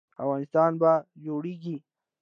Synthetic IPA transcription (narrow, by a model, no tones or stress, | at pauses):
awɣɑːnɪst̪ɑnbad͡ʒoɽeɡi